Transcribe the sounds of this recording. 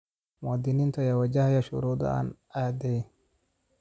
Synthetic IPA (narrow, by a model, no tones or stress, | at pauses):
mad̪ɪnɪnt̪ʰɐjawɐd͡ʒahajaʃṵɾud̪a̰a̰n | aːd̪e